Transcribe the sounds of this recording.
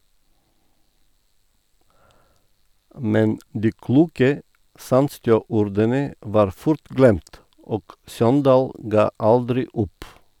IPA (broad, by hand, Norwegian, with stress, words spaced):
ˈmɛn ˈdiː ˈkluːkə ˈsɑndstjøː ˈuːɾdənə ˈʋɑːɾ ˈfʊɾt ˈɡlɛmt ˈoːɡ ˈsɔndɑːl ˈɡɑː ˈɑldɾɪ ˈʊp